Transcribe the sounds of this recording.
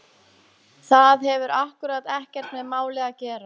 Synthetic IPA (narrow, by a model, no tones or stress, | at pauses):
θaðɦɛvʏɾahkʏɾat̪ɛhcɛɾ̥t̪mɛðmaːwlɛːɣacɛːɾa